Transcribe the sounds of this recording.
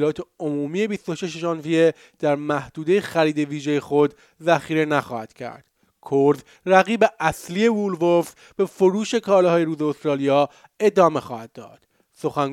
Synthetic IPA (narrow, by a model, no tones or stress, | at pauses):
lɒːt̪ʰeomuːmiːje̞bist̪o̞ʃe̞ʃeʒɒːnvije | d̪̥æɾmæhd̪uːd̪e̞jexæɾiːd̪e̞viːʒeje̞xo̞d̪ | zæxiːɾe̞næxɒːhæd̪̥cʰæ̰ɾd̪̥ | kʰoɾz | ræɣiːbe̞æslije̞vulvof | b̥e̞foɾuːʃe̞kʰɒːlɦɒːjeɾuːzeost̪ɾɒːlijɒː | e̞d̪ɒːme̞xɒːhæd̪̚ːɒ̰ːd̪̥ | so̞xæŋ